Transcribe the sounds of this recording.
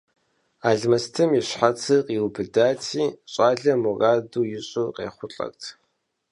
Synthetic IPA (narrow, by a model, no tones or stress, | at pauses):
aːɮmɐstʰɨmiɕħat͡sʰɨqʼiwbɨdaːtʰiːɕʼaːɮɐmuraːduːjɪɕʼʊqʼḛːχʷʊɬʼɐ̰rtʰ